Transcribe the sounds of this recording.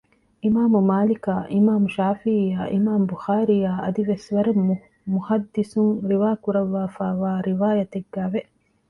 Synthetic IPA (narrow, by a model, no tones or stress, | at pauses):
ʔimaːmumaːlikaːʔimaːmuʃaːfiijaːʔimaːmbuxaːɾijaːʔɐd̪iʋesʋɐɾemːu | muhɐd̪ːisuŋɾiʋaːkuɾɐʋːaːfaːʋaːɾiʋaːjɐt̪eɡːæːʋe